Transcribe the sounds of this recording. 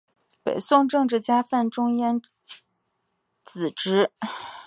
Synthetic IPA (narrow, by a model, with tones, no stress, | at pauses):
pḛ˨˩ɪsʊ˥˧ŋʈ͡ʂɤ˥˧ŋʈ͡ʂɻ̩˥˩t͡ɕja˥fa˥˩nʈ͡ʂʊ˥ŋjɛ˥n | t͡sɹ̩˨˩ʈ͡ʂɻ̩˧˥